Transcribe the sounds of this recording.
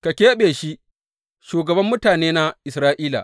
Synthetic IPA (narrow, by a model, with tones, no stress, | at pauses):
ka˨kʲeː˦ɓeː˨ʃi˦ | ʃuː˨ɡɐ˨bɐ˦mːʊ˦taː˨neː˦na˦ʔɪ˨sɾaː˦ʔiː˦la̰˨